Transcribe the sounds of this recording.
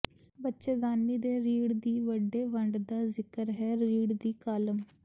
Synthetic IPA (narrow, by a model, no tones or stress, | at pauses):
bətːʃeːd̪aːnːiːd̪eːɾiːɽd̪iːʋəɖeːʋəɳɖd̪aːzɪkəɾɦɛːɾiːɽd̪iːkaləm